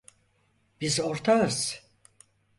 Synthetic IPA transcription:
bizoɾt̪ʰaɯz̥

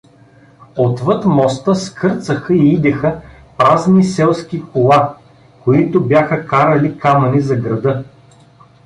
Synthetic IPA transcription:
ot̪vɤt̪mɔst̪əskʰɤɾt̪səxəiid̪ɛxə | pɾaznisɛlˠsk̟ʲikolˠa | koit̪obʲjaxəkaɾɐlikamɐnizɐɡɾɐd̪ɤ

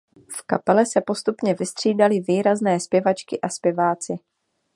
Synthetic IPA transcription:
fkapɛlɛsɛpo̞st̪upɲɛvɪst̪r̝̥iːdalɪviːɾaznɛːspjɛvat͡ʃkɪʔaspjɛvaːt͡sɪ

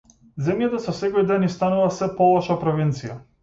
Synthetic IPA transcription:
zɛmjat̪asɔsɛkɔjd̪ɛnist̪anuvasɛpɔlˠɔʃapɾɔvint̪sija

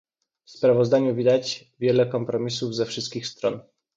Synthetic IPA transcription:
fspɾavɔzd̪aɲuvʲid̪at͡ɕ | vʲjɛlɛkɔmpɾɔmʲisuvzɛfʂɘst̪̚kʲixst̪ɾɔn

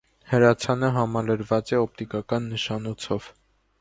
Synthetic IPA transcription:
həɾɑt͡sʰɑnəɦɑmɑləɾvɑt͡sɛɔp̚t̪ikɑkɑnːəʃɑnɔt͡sʰɔv̥

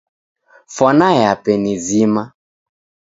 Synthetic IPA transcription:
fɔnajapɛnizima

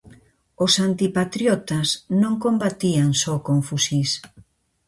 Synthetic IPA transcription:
osant̪ipat̪ɾjɔt̪asnõŋkombat̪iaŋsɔkoɱfusis

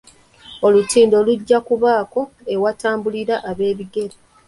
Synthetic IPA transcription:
o̞lutiːndo̞ːluɟːakuβaːko̞ | e̞wataːmbuliɾaʔaβe̞ːβiɡe̞ɾi

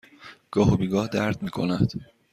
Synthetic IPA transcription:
ɡ̥ɒːɦobiːɡɒːhd̪æɾd̪miːkʰo̞̰næd̪̥

